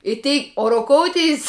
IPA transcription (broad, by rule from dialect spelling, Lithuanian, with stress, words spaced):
ɪ ˈtʲɛɪ oː roːˈkoːʊˌtʲɛɪs